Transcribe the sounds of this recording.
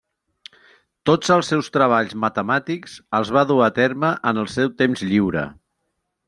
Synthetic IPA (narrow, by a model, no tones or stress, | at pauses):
t̪od͡zəlˠsːɛwst̪ɾəβ̞aʎzmət̪əmat̪ikz̥əlˠzβaðuat̪erməʔənəlˠsɛwt̪emzʎiwɾə̰